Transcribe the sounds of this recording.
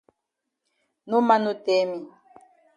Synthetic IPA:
nu˦ma˦nu˦te˦mi˨

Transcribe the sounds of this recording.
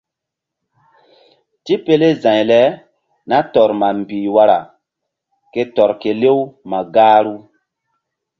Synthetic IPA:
ti˦pe˦le˦zã˨jlɛ˨˦ | na˦tɔ˨ɾma˨m˨bi˨wa˦ɾa̰˨ | ke˦tɔ˨ɾke˨le˦wma˨ɡaː˦ɾu˦

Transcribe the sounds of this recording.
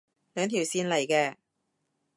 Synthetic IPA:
lœː˨˧˥ŋt̪ʰi˨˩wsiː˧nlɐ˨˩jkɛː˧

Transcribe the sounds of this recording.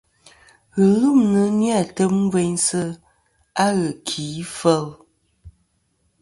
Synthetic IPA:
ɣə˨ɣɨ˦mnə˨˦nja˦˨tə˦mm̩˦ve˦ɲsə˦ | a˦ɣə˨kʰi˨˦fə˦l

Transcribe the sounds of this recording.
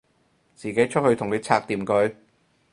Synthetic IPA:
t͡siː˨˩ke˨˥jt͡ʃʰt̚hɵ˧t̪ʰʊ˨˩ŋne˨˧˥t͡sʰaː˧k̚t̪iː˨˩mkɵ˨˥ɥ

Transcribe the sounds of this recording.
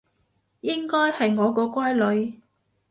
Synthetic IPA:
jɪ˥ŋkɔː˥jhɐ˨jŋɔː˨˧kɔː˧kʷaː˥jlɵ˨˧ɥ

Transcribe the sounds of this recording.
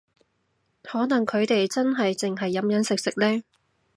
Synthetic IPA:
hɔː˨˥nɐ˨˩ŋkʰɵ˨˧ɥt̪e˨jt͡sɐ˥nɦɐ˨jt͡sɪ˨ŋɦɐ˨jːɐ˨˥mjɐ˨˥nsɪ˨k̚sɪ˨k̚lɛː˥

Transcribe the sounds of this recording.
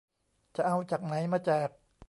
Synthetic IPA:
t͡ɕa˨˩ʔa˧wt͡ɕaː˨˩k̚na˩˦jmaː˧t͡ɕaː˨˩k̚

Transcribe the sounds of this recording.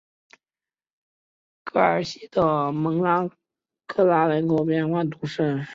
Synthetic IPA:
kʰɤ˥˩ə̰˞˨˩ɕi˥d̪ə˧˩mɤ˧˥ŋla˧˥ŋ | kʰɤ˥˩la˧˥lə˧˥nko˧˥ʊpjɛ˥˧nxwa˥˩nt̪u˧˥ʂə˥˩n

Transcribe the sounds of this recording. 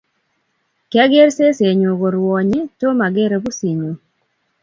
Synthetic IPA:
ka˦ɡe˦ɾse˦se˨ɲo˨ɡo˨ɾwɔ˨ɲe˦to˦ma˨ɡe˦ɾe˨˦bu˦si˨ɲo˨

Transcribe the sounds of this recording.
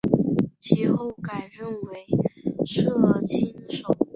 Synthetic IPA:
t͡ɕʰi˥˩xo˥˩ʊka˨˩ɪɻə˥˩nwe˧˥ɪʈ͡ʂʰɤ˥˧lə˥˧˩t͡ɕʰi˥nʂo˨˩˦ʊ

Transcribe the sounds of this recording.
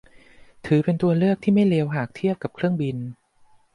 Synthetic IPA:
t̪ʰɯː˩˦pe˧nt̪u˧ɐlɯ˥˩ək̚t̪ʰiː˥˩ma˥˩jleː˧wɦaː˨˩k̚t̪ʰi˥˩əp̚ka˨˩p̚kʰɾɯ˥˩əŋbi˧n

